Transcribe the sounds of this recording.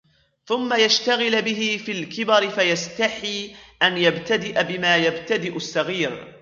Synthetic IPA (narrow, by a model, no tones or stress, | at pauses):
θʊmːajaʃt̪aɣɪlbɪɦɪfiːlkɪbɑɾɪfajast̪aħiːʔanjabt̪ad̪ɪʔabɪmaːjabt̪ad̪ɪʔʊsːɑɣiːɾ